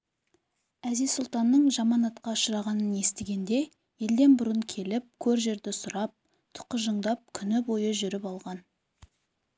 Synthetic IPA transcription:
æzijzsʊlˠt̪ɑnːəɴʒɑmɑnɑt̪qɑʊʃəɾɑʁɑnənje̞st̪eɡʲe̞nd̪e̞ | je̞ld̪e̞nbʊɾəɴkʲʰe̞lɪp̚kʲʰɵɾʒe̞ɾd̪ɪsʊɾɑp̚ | t̪ʰʊ̥qəʒəɴd̪ɑp̚kʲʰʏnɪbo̞jəʒʏɾɪpɑlˠʁɑn

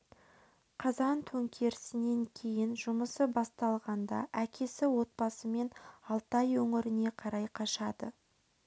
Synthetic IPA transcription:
qʰɑzɑnt̪ʰɵŋkʲʰe̞ɾɪsɪne̞ŋkʲʰe̞jɪnʒʊməsəbɑst̪ɑlˠʁɑnd̪ɑ̰ʔækʲʰe̞sɪwo̞t̪̚bɑsəme̞nɑlˠt̪ɑjwɵŋɪɾɪne̞qʰɑɾɑjqʰɑʃɑd̪ə̰

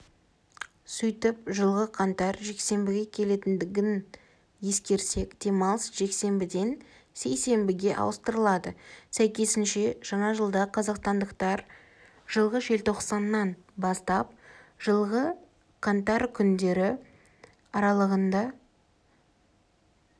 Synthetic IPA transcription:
sʏjt̪ɪp̚ʒəlˠʁəqʰɑnt̪ɑɾʒe̞kse̞mbɪɡʲe̞kʲʰe̞le̞t̪ɪnd̪ɪɡʲɪn | je̞skʲe̞ɾse̞kd̪̥e̞mɑlˠsʒ̥e̞kse̞mbɪd̪e̞n | se̞jse̞mbɪɡʲe̞ʔɑ̰wəst̪əɾəlˠɑd̪əsæjkʲe̞sɪnʃe̞ʒ̥ɑɴɑʒəlˠd̪ɑqʰɑzɑqst̪ɑnd̪əqt̪ɑɾ | ʒəlˠʁəʒelt̪ʰo̞qsɑnːɑn | bɑst̪ɑp̚ʒ̥əlˠʁə | qʰɑnt̪ɑɾkʲʰʏnd̪e̞ɾɪ | ɑɾɑlˠəʁənd̪ɑ

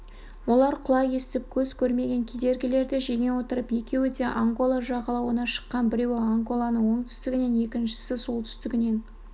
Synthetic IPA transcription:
wo̞lˠɑɾqʰʊlˠɑje̞st̪ɪp̚kʲʰɵz̥kʲʰɵɾme̞ɡʲe̞ŋkʲʰed̪e̞ɾɡʲɪle̞ɾd̪ɪʒe̞ŋʲe̞wo̞t̪əɾəpje̞kʲe̞wɪd̪eʔaŋɡo̞lˠaʒɑʁɑlˠɑwənɑʃə̥qːɑnbɪɾe̞wɪaŋɡo̞lˠɑnəɴwo̞ɴt̪ʰʏ̥st̪ɪɡʲɪne̞ne̞kʲɪnʃɪ̥sɪsulˠt̪ʰʏ̥st̪ɪɡʲɪne̞n

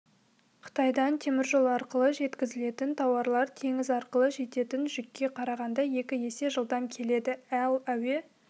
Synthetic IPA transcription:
qʰə̥t̪ɑjd̪ɑnt̪ʰe̞mɪɾʒo̞lˠɑɾqəlˠəʒe̞t̪kʲɪzɪle̞t̪ɪnt̪ʰɑwɑɾlˠɑɾt̪ʰe̞ŋɪzɑɾqəlˠəʒe̞t̪e̞t̪ɪnʒʏkʲːe̞qʰɑɾɑʁɑnd̪ɑje̞kʲɪje̞se̞ʒəlˠd̪ɑmkʲʰe̞le̞d̪ɪælˠæwe̞

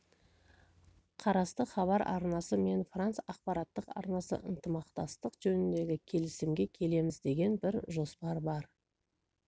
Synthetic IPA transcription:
qʰɑɾɑst̪əχɑβɑɾʔɑ̰ɾnɑsəme̞nfrant̪sɑq̚pɑɾɑt̪ːəqɑ̰ɾnɑsə̰ʔə̰nt̪əmɑqt̪ɑst̪əqʒ̥ɵnɪnd̪e̞ɡʲɪkʲʰe̞lɪsɪmɡʲe̞kʲʰe̞le̞mɪzd̪e̞ɡʲe̞nbɪɾʒo̞spɑɾbɑɾ

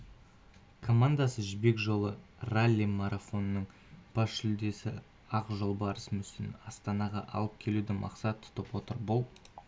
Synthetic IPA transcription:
kʰo̞mand̪asəʒɪbe̞kʒo̞lˠəralʲːimɑɾafo̞nːəɴ | b̥ɑʃʃɪld̪e̞sɪ | ɑqʒolˠbɑɾəsəmʏsɪnɑst̪ɑnɑʁɑ̰ʔɑ̰lˠəp̚kʲʰe̞lud̪ɪmʔɑ̰qsɑt̪ʰːʊ̥t̪əpwo̞t̪əɾbʊlˠ

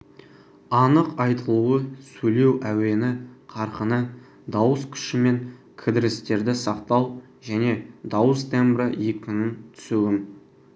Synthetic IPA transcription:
ɑnəqɑjt̪əlˠuəsɵjle̞wʔæwe̞nɪqʰɑɾqənə | d̪ɑwəskʲʰʏ̥ʃɪme̞ŋ | kʲʰɪd̪ɪɾɪst̪e̞ɾd̪ɪsɑqt̪ɑw | ʒæne̞d̪ɑwəst̪ʰembɾəekʲʰːʏnɪnt̪ʰʏ̥suwɪn

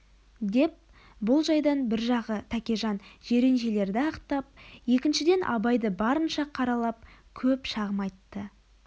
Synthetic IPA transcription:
d̪e̞p̚ | bʊlˠʒɑjd̪ɑnbɪɾʒɑʁət̪ʰækʲeʒɑnʒ̥e̞ɾe̞nʒe̞le̞ɾd̪ɪɑqt̪ɑp̚je̞kʲɪnʃɪd̪e̞nʔɑ̰bɑjd̪əbɑɾənʃɑqʰɑɾɑlˠɑp̚kʲʰɵpʃɑʁəmɑjt̪ːə

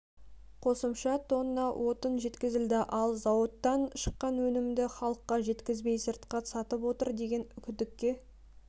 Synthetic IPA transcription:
qʰo̞səmʃɑt̪ʰonːɑwʔo̞t̪ənʒe̞t̪kʲɪzɪld̪ɪʔɑlˠzɑwət̪ːɑnʃə̥qːɑnwɵnɪmd̪ɪχɑlˠəqːɑʒe̞t̪kʲɪzbe̞jsəɾt̪qɑsɑt̪əpwo̞t̪əɾd̪e̞ɡʲe̞nʏkʲʰʏd̪ɪkʲːe̞

